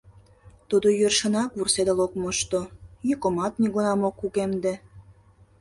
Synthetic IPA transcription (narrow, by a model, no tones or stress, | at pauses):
t̪ud̪ojørʃənɑkβursed̪əlokmoʃt̪ojykomɑt̪niɣunɑmokːuɣemd̪e